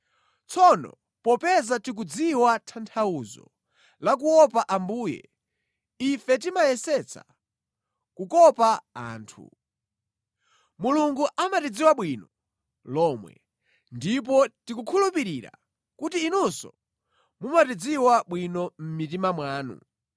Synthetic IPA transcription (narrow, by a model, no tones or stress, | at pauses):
t͡sʰɔnɔ̰ | pɔpɛzatik̬ud͡ziwatʰantʰauzɔ̰ | lak̬uɔpaʔambuːjɛ̰ | ifɛtimajɛsɛt͡sʰa̰ | kukɔpaa̰ːntʰṵ | muluŋɡuʔamatid͡ziwaɓwinɔ | lɔmwɛ̰ | ndip̬ɔtikukʰulupiɾiɾa̰ | kutiːnusɔ̰ | mumatid͡ziwaɓwinɔm̩mit̬imamwaːnṵ